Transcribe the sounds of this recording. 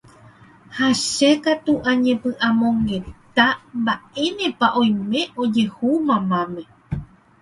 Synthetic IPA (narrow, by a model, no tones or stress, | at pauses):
haʃekat̪uʔãɲẽ̞pɨ̃ʔãmõ̞ŋɡe̞t̪ambae̞nẽ̞paʔõ̞j̃mẽ̞ʔo̞d͡ʒe̞humãmãmẽ̞